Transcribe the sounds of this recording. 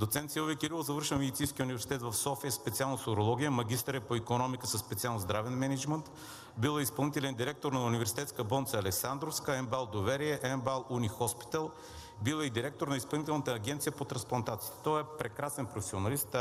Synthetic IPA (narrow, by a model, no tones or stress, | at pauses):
d̪ot̪sɛnt̪silˠovikiɾilˠozɐvəɾʃɛnmɛd̪it̪sĩnskʲiunivɛɾsi̥t̪ɛt̪vɐfsɔfijəspɛt̪sialˠnəsoɾolˠɔɡʲijəmɐɡʲist̪əɾɛpoikonɔmikəsəsːpɛt̪sialˠnozd̪ɾavɛnmɛnɛd͡ʒmənt̪ | bilˠəispɐlˠnit̪ɛlɛnd̪iɾɛk̚t̪oɾnɐunivɛɾsi̥t̪ɛt̪skəbɔnitsəɐlɛksand̪ɾofskəɛmbalˠd̪ovɛɾiɛʔɛmbalˠunixɔspi̥t̪əlˠ | bilˠəid̪iɾɛk̚t̪oɾnɐispɐlˠnit̪ɛlˠnət̪əːɡʲɛnt̪sijəpot̪ɾɐ̃nsplˠɐnt̪at̪si̥t̪t̪ɔjɛpɾɛkɾasɛnpɾofɛ̥sionɐlist̪